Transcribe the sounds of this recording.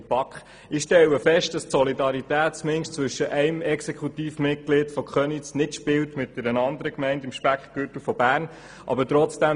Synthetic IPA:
pɑkχ | ɪʃtɛwəfɛʃt̚d̥ɑstsɔlidɑɾit̪æːtt͡smɪŋʃtt͡sʋʏʃːəʔæɪmɛksɛkχutiːfmɪt̚klɪd̥fɔkχœnisnɪtʃpɪwtmɪt̚d̥ɛɾənɑnd̪əɾəkmɛɪntɪmʃpækχɡ̥øtəfɔbæːɾn | ʔɑ̰bətɾɔt͡sd̥æ

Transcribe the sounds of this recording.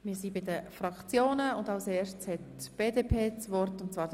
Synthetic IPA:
mɪːsibɪdəfɾɑkt͡sjoːnəʊndɑʊseːʃtt͡shɛt | b̥eːdepʰeːt͡svɔɾrtʊntt͡svɑːɾ

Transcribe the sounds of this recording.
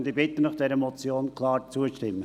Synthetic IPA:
nd̪ɪbɪt̪ːənɑχd̥ɛɾəmɔt͡sjoːnkʰlɑːɾt͡suəʃtɪmːə

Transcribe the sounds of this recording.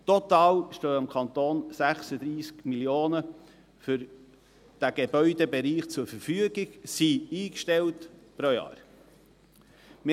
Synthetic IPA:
t̪ɔt̪ɑːlʃtøːɑmkʰɑnt̪oːnsæχsəd̪ɾiːskmiljoːnə | fʏɾ | d̥æɡ̥ebœʏdebeɾiːχt͡sʊɾfəɾfyəɡɪɡsiiːkʃtɛltpɾojɑ̰ːɾ | m

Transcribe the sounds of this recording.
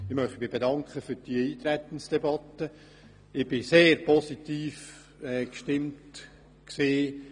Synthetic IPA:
ɪχmœχtimɪbedɑŋkχəfyɾd̥iəiːt̪ɾɛt̪ən̩sd̥ɛbɑt̪ːə | ɪb̥ɪseːɾpʰɔsitiːf | ɛːkʃtɪmt | ksiː

